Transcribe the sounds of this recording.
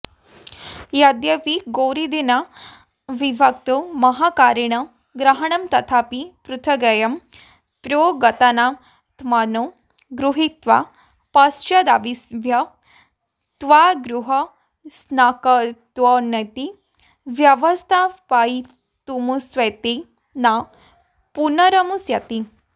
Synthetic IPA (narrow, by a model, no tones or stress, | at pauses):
jad̪jɐʋiɡoɾid̪ina | ʋibʱɐkt̪omɐɦakaːɾiɳ̃ɐ | ɡɾɐɦɐɳɐmt̪ɐt̪ʰaːpipɾut̪ʰɐɡɐjɐm | pɾoɡɐt̪ana | t̪ʰmano | ɡɾuɦit̪ʋa̰ | pɐst͡ʃɐd̪aʋisʋʱjɐ | t̪ʋaɡɾuɦɐ | snakɐt̪ʋɐnɐt̪i | ʋjɐʋɐst̪ʰapai | t̪umusʋɐjt̪i | na | punɐɾɐmusjɐt̪i